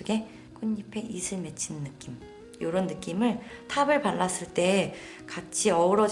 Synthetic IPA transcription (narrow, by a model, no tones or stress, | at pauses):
oɡe̞ | k͈uɲːipʰe̞ʔisʰɯɭme̞t͡ɕʰinːɯk͈im | joɾonːɯk͈imɯɭtʰabɯɭpaɭːas͈ɯɭt͈e̞ | kat͡ɕʰiʌɯɾʌd͡ʑ